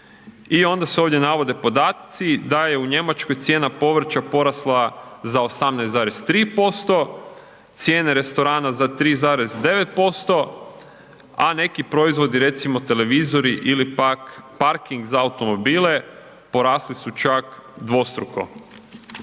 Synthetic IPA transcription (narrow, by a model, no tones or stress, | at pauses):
io̞nd̪aseo̞ːʋdje̞naʋo̞d̪e̞po̞d̪aːt̪t̪sid̪aje̞uɲe̞mat͡ʃko̞jt̪sje̞ːnapo̞ʋɾ̩t͡ʃapo̞ɾaslˠazao̞samnɛjzaːɾest̪ɾiːpo̞st̪o̞ | t̪sje̞ːne̞ɾe̞st̪o̞ɾaːnazat̪ɾiːzaːɾe̞zd̪e̞ʋet̪̚po̞st̪o̞ | ane̞kipɾo̞izʋo̞d̪iɾe̞t̪simo̞t̪e̞le̞ʋizo̞ɾiʔilipakpaɾkiŋɡzaːut̪o̞mo̞biːle̞ | po̞ɾaːslisut͡ʃakd̪ʋo̞st̪ɾuko̞̰